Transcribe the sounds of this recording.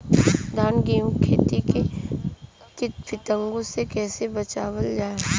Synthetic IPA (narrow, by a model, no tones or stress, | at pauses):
d̪ʱaːnɡeːmkʰeːt̪ike | t͡ʃɪt̪fʰɪt̪ə̃ŋɡosekɛːsebɐt͡ʃaːwəld͡ʒaːe